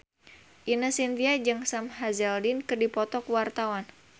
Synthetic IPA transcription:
ʔinəsint̪iad͡ʒɨŋsamhazɛldinkɨrdipɔt̪ɔkwart̪awan

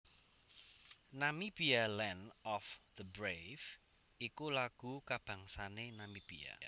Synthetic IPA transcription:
namib̥ialɛnɔfðəbɾev | ikulaɡ̥ṳkab̥ä̤ŋsanenamib̥ia̰

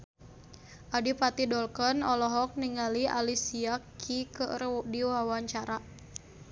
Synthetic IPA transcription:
ʔadipat̪idɔlkɔnɔlɔɦɔk̚niŋalia̰lisiakʰːikədiwawaɲt͡ʃaɾa

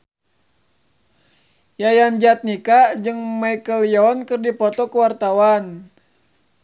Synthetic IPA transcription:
jajand͡ʒat̪̚nikad͡ʒɨŋmajkəljɔnkɨrdipɔt̪ɔkəwart̪awan

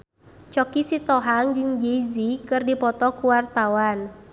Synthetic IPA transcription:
t͡ʃɔkisit̪ɔɦaŋd͡ʒɨŋd͡ʒezikɨrdipɔt̪ɔkuwart̪awan

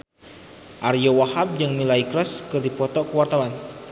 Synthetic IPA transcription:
ʔaɾijɔwahab̚d͡ʒɨŋmilaikɾɔskɨrdipɔt̪ɔkəwart̪awan

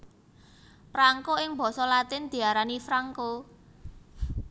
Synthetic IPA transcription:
pɾaŋkoɪŋbɔ̤sɔlat̪ɪnd̪̥i̤aɾanifɾaŋko

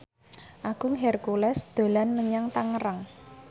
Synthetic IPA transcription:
ʔaɡ̥uŋɦɛrkulɛsd̪̥o̤lanməɲaŋt̪aŋəɾaŋ

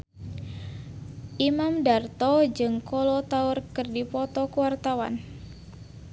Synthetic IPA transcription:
ʔimamdart̪ɔd͡ʒɨŋkɔlɔt̪aʊrkɨrdipɔt̪ɔkuwart̪awan

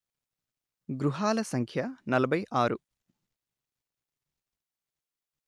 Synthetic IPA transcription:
ɡɾuɦaːlɐsɐŋkʰjɐnɐlɐbʱɐjʔaːɾu

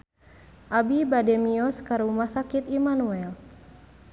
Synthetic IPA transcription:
ʔabibadɛmiɔskaɾumasakit̪imanuɛl

